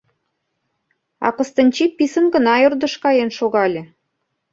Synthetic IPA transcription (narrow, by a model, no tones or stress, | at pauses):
ɑ̰kɤ̆st̪ə̆nʲt͡ɕipːisə̆nɡə̆nɑjord̪ɤ̆ʃkɑjenʃoɣɑlʲĕ